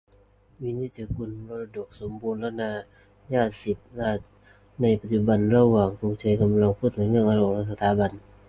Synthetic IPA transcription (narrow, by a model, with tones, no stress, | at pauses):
wi˧˥ni˧˥˩t͡ɕa˧ku˧˩˨nɾo˧la˧do˨˩k̚so˨˦mbuː˧nlɛ˧˥naː˧˩ | jaː˧˥˩t̪̚si˨˩t̪̚la˧˥ | na˧˩jpa˧t̪̚t͡ɕu˧˩ba˧nɾa˧waː˨˩ŋt̪ʰu˧ŋ̚t͡ɕa˧jka˧mla˧ŋpʰuː˥˩t̪̚ʰɯ˨˩˦ŋɯ˧˩ŋʔa˧ɾo˧˩ŋlɛ˧˥˩sa˧t̪ʰaː˨˦ba˧n